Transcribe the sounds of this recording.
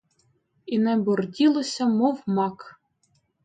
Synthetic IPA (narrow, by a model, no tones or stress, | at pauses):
inɛbɔrdʲilˠosʲɐmɔwmɑk